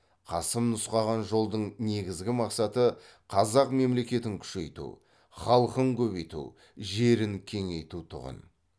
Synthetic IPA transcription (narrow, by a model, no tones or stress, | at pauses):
qʰɑsəmnʊsqɑʁɑnʒolˠd̪əɴne̞ɡʲɪzɡʲɪmɑqsɑt̪ə | qʰɑzɑqme̞mle̞kʲe̞t̪ɪŋkʲʰʏ̥ʃe̞jt̪ṵ | χɑlˠqəŋkʲʰɵβe̞jt̪ṵ | ʒe̞ɾɪŋkʲʰe̞ŋe̞jt̪ut̪ʰʊ̰ʁə̰n